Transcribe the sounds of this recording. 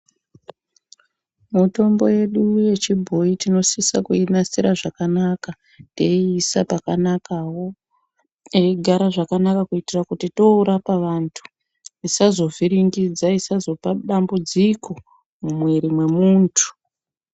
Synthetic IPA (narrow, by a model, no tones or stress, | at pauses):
muto̞mbo̞̰je̞ɗuje̞t͡ʃibʱo̞itino̞sisakuinasiɾaʐakanaka | teiːsapakanakawo̞ | eiɡʱaɾaʐakanakakuitirakutito̞uɾapaʋantʰu̥ | isazo̞viɾiŋɡid͡zaisazo̞paɗambud͡zikʰo | mumweɾimwe̞muːntʰu̥